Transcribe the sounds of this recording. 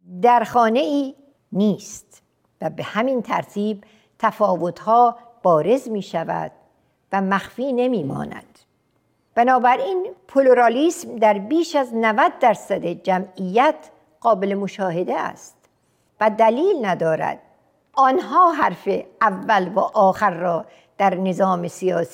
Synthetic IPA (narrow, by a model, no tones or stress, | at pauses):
d̪æɾxɒːne̞iː | niːst̪ | væbehæmint̪ʰæ̰ɾt̪ʰiːb̚ | t̪ʰæfɒːvot̪hɒː | b̥ɒːɾe̞zmiːʃævæ̰d̪̥̚ | væmæxfiːne̞miːmɒ̰ːnæ̰d̪̥ | b̥ænɒːbæɾʔiːnpʰoloɾɑliːsmd̪æɾbiːʃæznævæd̪̚ːæɾsæd̪ed͡ʒæmijːæt̪ʰ | ɢ̥ɒːbelemoʃɒːhe̞d̪eæ̰st̪ | væd̪æliːlnæd̪ɒːɾæ̰d̪̥̚ | ɒːnɦɒːɦæɾfeævːælvæːʔɒːxæɾːɒː | d̪̥æɾne̞zɒːme̞sijɒːs